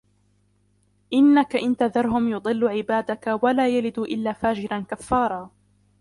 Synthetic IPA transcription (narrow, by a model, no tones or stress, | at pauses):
ʔɪnːakaʔɪnt̪aðɑɾˤɦʊmjʊd̪ˤɨlːʊʕɪbaːd̪akawalaːjalɪd̪uːʔɪlːaːfaːd͡ʒɪɾankafːɑːɾˤɑː